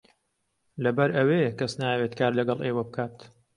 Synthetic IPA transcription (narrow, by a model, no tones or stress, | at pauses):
lɐbɐɾʔɐwekɐsnaːjweːt̪kʰaːɾlɐɡɐlˠʔeːwɐbɨkʰaːt̪